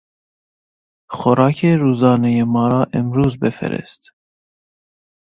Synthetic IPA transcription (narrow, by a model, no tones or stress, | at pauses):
xɔɾɑːkʰeɾuːzɑːnɛjemɑːɾɑːʔɛmɾuːzbɛfɛ̰ɾɛ̰st̪